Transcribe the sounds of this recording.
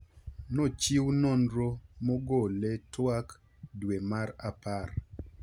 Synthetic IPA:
not͡ʃiwnondɾomɔɡoletwak | dwemaɾapar

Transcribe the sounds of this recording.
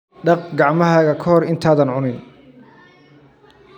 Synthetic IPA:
ɖɑq̚ɡɑʕmɐɦaːɣɐkʰɐhɔrɪnt̪ʰaːðɐnʕʊnɪn

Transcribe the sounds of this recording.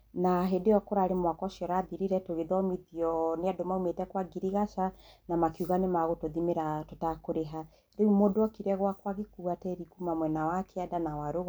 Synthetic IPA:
naɦedejɔkoɾaɾemwakɔʃjɔɾaðiɾiɾɛtoɣeðɔmiðiɔneadomaumetɛkwaɡiɾiɣaʃanamakiuɣanemaɣotoðimeɾatotakoɾeɦa | ɾeumodoɔkiɾɛɣwakwaɣekuatɛɾikumamwɛnawakʰeadanawaɾoɣ

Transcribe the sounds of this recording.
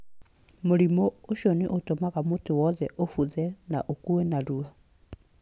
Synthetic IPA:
moɾimooʃɔneʔotomaɣamotowɔðɛʔofuðɛnaʔokuenaɾua

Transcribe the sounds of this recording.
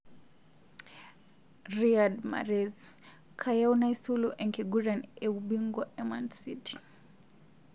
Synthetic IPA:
riadma̰ɾɛz | kʰajaunaisulɔʔɛŋkɛɡuɾanɛuɓiŋɡwaʔɛmansitʰi̥

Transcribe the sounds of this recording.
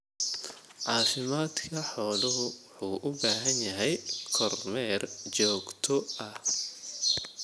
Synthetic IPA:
ʕɑːfɪmaːd̪kʰɐħɔːlɐɦʊħuːʔʊbaːɦɐnjɐɦɛjkʰɔrmɛːrt͡ʃɔːɡt̪ʰɔʔɐh

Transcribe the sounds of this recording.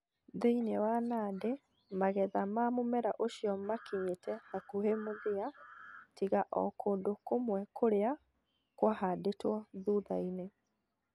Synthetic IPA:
ðeinewanaːde | maɣɛðamamomɛɾaʔoʃiɔmakiɲetɛhakuhemoðeatiɣaʔɔ̰kʰoːndokomwɛkoɾea | kwahadetwɔðuðaine

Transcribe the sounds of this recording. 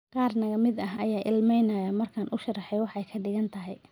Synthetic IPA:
qɑːrnɐɣɐmɪd̪ɐɦɐjaːʔɪlmɛjnɐjɐmɐrkʰaːnʔʊʃɐrɑħɛjwɑħɛjkʰɐɖɪɣɐnt̪ʰɐɦɛj

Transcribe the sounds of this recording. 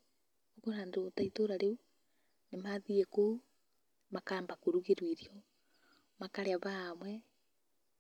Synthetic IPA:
okoɾaːndootaitoɾaɾeu | nemaðieko | makaːmbakoɾuɣeɾwiɾjɔ | makaɾeaβaːmwɛ

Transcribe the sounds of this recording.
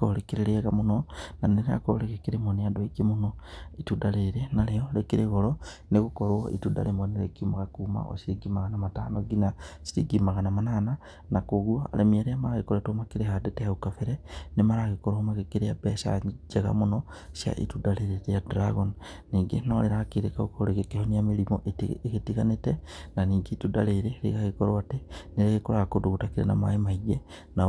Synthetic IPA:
kolekiɾeɾiaɣamunonaneɾea̰ko̰lekekiɾimonijadoiɡimunoitudaleɾenalejolekiɾeɣolo | nekukoɾwoḭtuda̰lemonilḛkiumakakuma̰ʔo̰siɾiɡimaɣanamataːnoɡinasiɾiɡimaɣanamanana | nakoɣwoa̰lemieɾeamaɾaɣikoetomakiɾehadeteaukafeɾenemaɾaɣekoɾoomakekiɾejabesa̰d͡ʒeɣa̰muno | sja̰ʔḭtudaleɾeɾijadɾaɣon | niːɡenoleɾakiɾekaokoɾekekehonijamilimoʔeteketiɣanetenaniːɡetudaleɾeɾḭɣaɣekoɾoateneɾeɣekoɾakoduɣutakiɾḛna̰ma̰emaiɡena

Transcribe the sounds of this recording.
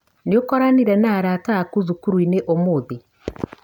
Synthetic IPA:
niokɔɾaniɾɛnaɾaːtaːkuzukuɾwineʔomoːði

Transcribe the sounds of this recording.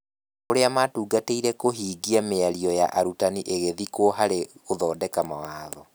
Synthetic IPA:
oɾeamatuːɡateiɾɛkoɦiːɡiameaɾiɔjaʔaɾutaniʔeɣeðikoːɦaɾeoðɔːdɛkamawaːðɔ

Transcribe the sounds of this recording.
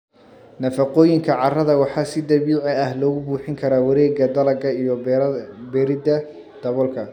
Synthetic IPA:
nɐfɑqɔːjɪŋkʰɐʕɑrɐðɐwɑħɑːsɪd̪ɐbuːʕɛɐhlɔːɣʊbuːħɪŋkʰɐɾaːwɐɾɛːɡɐd̪ɐlɐɡɐijɔ | bɛɾɪdɐ | d̪̥ɐβɔlkʰɐ

